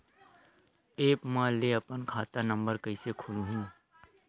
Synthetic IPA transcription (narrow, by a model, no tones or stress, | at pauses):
eːpmãleɐpənkʰaːt̪anə̃mbəɾkɐisekʰʊlɦũː